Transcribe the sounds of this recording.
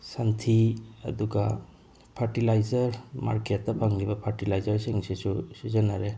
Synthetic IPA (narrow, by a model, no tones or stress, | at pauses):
santʰiɐ̰duɡa | pʰaɾʈilajzaɾma̰ɾkʰeatːapʰaŋlibapʰaɾʈilajzaɾseŋsesusuzanaɾe